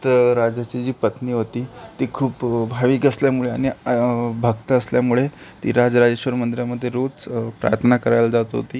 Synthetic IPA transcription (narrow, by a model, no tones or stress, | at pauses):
t̪əɾad͡ʑat͡ɕid͡ʑiːpət̪niːɦot̪iːt̪iːkʰuːpbʱaʋiːkəsljamuɭeaɽ̃ibʱəɡ̚t̪əəsljamuɭet̪ḭːɾad͡zɾad͡zəɕʋəɾmənd̪ɾjaməd̪ʱːjeɾot͡spɾa̰jət̪ʰnakəɾajlad͡zat̪ɦo̰t̪iː